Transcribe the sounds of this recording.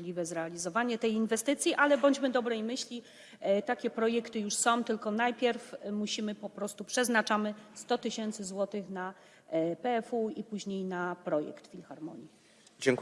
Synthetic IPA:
lʲivɛzɾɛalʲizɔvaɲɛt̪ɛjinvɛst̪ɘt̪sʲjiʔalɛbɔɲd͡ʑmɘd̪ɔbɾɛjmɘɕlʲi | t̪akʲɛpɾɔjɛkt̪ɘjuʂsɔ̃w̃t̪ɘlkɔnajpʲjɛɾfmuɕimɘpɔpɾɔst̪upʂɛznat͡ʂamɘst̪ɔt̪ɘɕɛnt̪sɘzwɔt̪ɘxna | pɛɛfuipuʑɲejnapɾɔjɛ̰kt̪fʲilxaɾmɔ̰ɲi | d͡ʑɛŋk

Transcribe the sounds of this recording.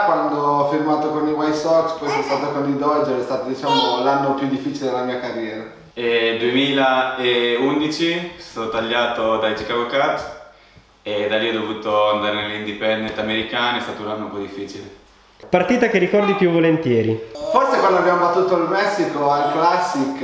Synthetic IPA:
kwand̪oɔfirmaːt̪okoniwajsɔkspɔjsɛst̪aːt̪okonid̪ɔld͡ʒɛɾɛst̪aːt̪od̪it͡ʃaːmolanːopjud̪ifːiːt͡ʃiled̪elamiːakarːjɛːɾa | ɛd̪uemiːlaeund̪it͡ʃiɛst̪at̪ot̪aʎːaːt̪od̪ajt͡ʃikaɡokat̪ | ed̪aliːɔd̪ovuːt̪oand̪aːɾenelind̪ipɛnd̪et̪ameɾikaːniɛst̪aːt̪ounanːoumpɔd̪ifːiːt͡ʃile | part̪iːt̪akerikɔrd̪ipjuvːolent̪jɛːɾiforsekwand̪abjamobat̪ːuːt̪oalmɛsːikoalklasːik

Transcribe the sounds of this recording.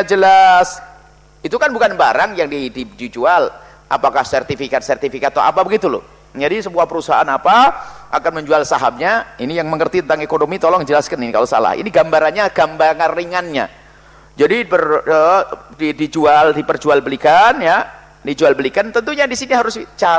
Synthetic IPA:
ad͡ʒəlas | it̪ukanbukanbaɾaŋjaŋdididid͡ʒual | ʔa̰pakahsɛrt̪ifikat̪̚sɛrt̪ifikat̪ːa̰a̰pabəɡit̪ulʊ̰h | d͡ʒadisəbuahpəɾusaa̰napaʔa̰kanməɲd͡ʒualsaɦap̚ɲainijaŋməŋərt̪it̪ənt̪aŋekonomit̪olɔŋd͡ʒəlaskaninka̰losa̰la̰hḭniɡambaɾanɲaɡ̥ambaŋarːiŋanɲa̰ | d͡ʒadibərədidid͡ʒualdipərd͡ʒualbəlikanja | did͡ʒualbəlikant̪ənt̪uɲadisiniɦaɾʊst͡ʃa

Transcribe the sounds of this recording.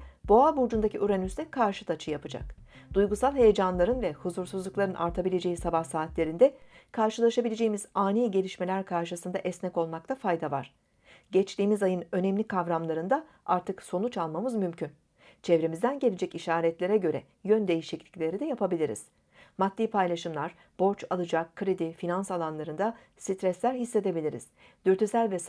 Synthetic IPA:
b̥o̞abuɾd͡ʒund̪aciʔyɾɛnyzɛkʰaɾʃɯt̪ʰat͡ʃʰɯjapʰɯd͡ʒa̰kd̪̥ujɡusalˠɦe̞jed͡ʒanlˠaɾɯnvɛhuzuɾsuzlˠuklˠaɾɯnʔa̰ɾt̪ʰabilʲe̞d͡ʒe̞jisabahsaːt̪lʲe̞ɾind̪ɛkʰaɾʃɯlˠaʃabilʲe̞d͡ʒe̞jimiz̥aːniːɟe̞lʲiʃme̞lʲæɾkʰaɾʃɯsɯnd̪aʔɛsnɛko̞lˠmak̚t̪ʰafajd̪avaɾ̝̥ | ɟɛt͡ʃlʲiːmizajɯnø̞nɛmlʲikʰavɾamlˠaɾɯnd̪a | aɾt̪ʰɯkso̞nut͡ʃalˠmamɯzmymcʰyn | t͡ʃʰɛvɾemizd̪ænɟe̞lʲed͡ʒɛciʃaːɾɛt̪lʲe̞ɾɛɟø̞ɾɛ̰ | jø̞nd̪e̞jiʃiclʲi̥clʲe̞ɾid̪ɛjapʰabilʲiɾḭz̥ | mat̪ːiːpʰajlʲˠaʃɯmlˠaɾ | b̥o̞ɾt͡ʃalˠɯd͡ʒakkʰːɾed̪ifinansalˠanlˠaɾɯnd̪a | sit̪ɾɛslʲæɾɦisːe̞d̪e̞bilʲiɾḭz̥ | d̪yɾt̪ʰysælʲvɛs

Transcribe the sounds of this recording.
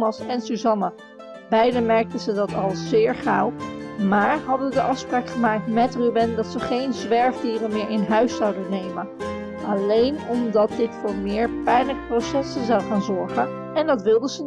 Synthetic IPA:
mɑsɛnsyzɑna | bɛjdəmɛɹk̚tənzədɑtɑlˠz̥ɪːɹχawmaːɹɦɑdəədəʔɑfspraːkχəmaːk̚tmɛtrybɪndɑtsəχejnzʋɛɹfdiːrənmɪːɹʔɪnɦœɥsːɑwdənːejmən | ʔɑlejnɔmdɑt̚dɪtfʊːɹmɪːɹpɛjnləkprowsɛsənzɑwχaːnzɔɹχən | ɛndɑtʋɪlˠdəzə

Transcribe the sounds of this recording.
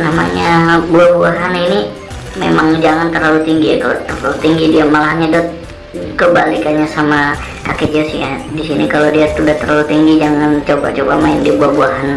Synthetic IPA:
nama̰ɲabuahbuaɦanini | mḛmaŋd͡ʒaŋant̪ərlalut̪iŋɡija̰kalo̰t̪ərlalut̪iŋɡidiamalaɦaɲadɔt̪̚ | kəbalikaɲasama | kaked͡ʒosihjadisinikalodiat̪udaht̪ərlalut̪iŋɡid͡ʒaŋant͡ʃoba̰t͡ʃoba̰maɪndiabuahbuaɦan

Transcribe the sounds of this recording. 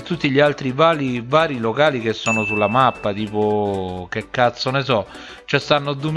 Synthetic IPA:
t̪ːut̪ːiʎialt̪ɾivaːlivaːɾilokaːlik̟esːɔːnosulːamapːat̪iːpok̟ekːat̪sːonesɔ | t͡ʃɛst̪anːod̪um

